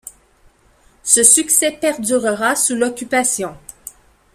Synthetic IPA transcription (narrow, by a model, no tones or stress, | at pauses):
səsyksɛpɛʁd̪yʁəʁasulɔkʲypasjɔ̃